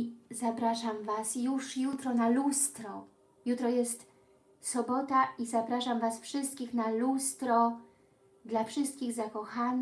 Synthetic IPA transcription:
zapɾaʂamvasjuʂjut̪ɾɔnalust̪ɾɔ | jut̪ɾɔjɛst̪ | sɔbɔt̪aizapɾaʂamvasfʂɘst̪kʲixnalust̪ɾɔ | d̪lafʂɘst̪̚kʲiɣzakɔxan

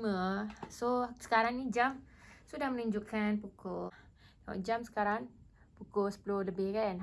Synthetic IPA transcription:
məsosə̥kaɾaŋnid͡ʒamsudahmənuɲd͡ʒukanpuko | dawa̰d͡ʒamsə̥kaɾaŋ | pukosə̥pəloləbɪhkan

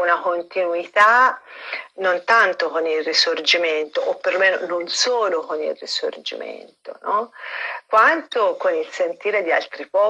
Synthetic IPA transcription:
unakont̪inuit̪a | nont̪ant̪okonilrisord͡ʒiment̪oʔopːerɾlomeːnononsoːlokonḭlrḭso̰rd͡ʒḭmḛnt̪o̰nɔkːwant̪okonilsent̪iːɾed̪ia̰lt̪ɾipɔ

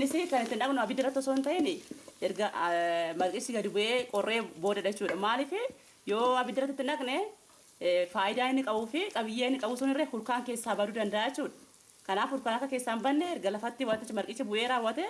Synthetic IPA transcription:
nːɪsɪkɐnɪt̪ːɪnɐknʊɐbɪd̪ːɪrːɐt̪ːɪɔsoːnt̪ɐʔɛnɪɛɾɡɐmɐɾkʼɪsːɪɡɐd̪ɪbʊʔeːkʼɔrːʔe̞ːbo̞ːd̪ɐᶑɐt͡ʃːuːᶑɐmaːlɪfɪ | joːɐbɪd̪ːɪrːɐt̪ːɪt̪ːɪnɐknɛ | faːʔɪd̪aːɪnːɪkʼɐbuːfɪkʼɐbɪjːeːɪnːɪkʼɐbuːsʊnɪrːeːhʊlkaːŋke̞ːsːaːbɐd̪uːd̪ɐnd̪ɐʔaːjɛt͡ʃːuːᶑɐ̥ | kɐnaːfhʊɾkaːnɐkːɐke̞ːsːaːnbɐnːɛɛɾɡɐlɐfɐt̪ːɪwat̪ːɪt͡ʃːmɐɾkʼɪt͡ʃːɛbʊʔeːɾaːwːɐt̪ɛ

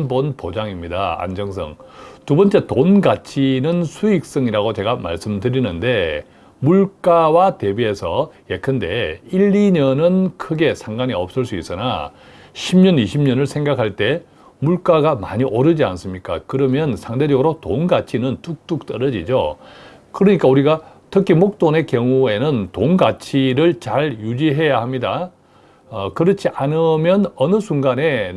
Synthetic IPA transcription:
bonpod͡ʑaŋimɲidaa̰nd͡ʑʌŋs̬ʰʌ̰ŋtubʌnt͡ɕ͈e̞tonɡat͡ɕʰinɯnsʰuik̚s͈ʌŋiɾaɡot͡ɕe̞ɡama̰ɭs͈ɯmtɯɾinɯnde̞ | muɭk͈awate̞bie̞sʰʌjekʰɯnde̞iʎːiɲʌnɯnkʰɯɡe̞sʰaŋɡaɲiʌp̚s͈ɯɭs͈uis͈ɯna̰ | ɕʰimɲʌniɕʰimɲʌnɯɭsʰeŋɡakʰaɭt͈e̞ | muɭk͈aɡama̰ɲiʔʌɾɯd͡ʑia̰ns͈ɯmɲik͈a̰kɯɾʌmjʌnsʰaŋde̞d͡ʑʌɡɯɾotonɡat͡ɕʰinɯntuk̚t͈uk̚t͈ʌɾʌd͡ʑid͡ʑo̰ | kɯɾʌɲik͈auɾiɡatʰɯkʰimok̚t͈one̞kjʌŋue̞nɯntonɡat͡ɕʰiɾɯɭt͡ɕaɭjud͡ʑiɦe̞jahamɲida̰ | kɯɾʌt͡ɕʰiʔanɯmjʌnʌnɯsʰuŋɡane̞

